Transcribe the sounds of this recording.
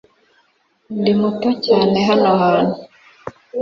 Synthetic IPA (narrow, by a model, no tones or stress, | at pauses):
ndimutocaːneɦanohaːnu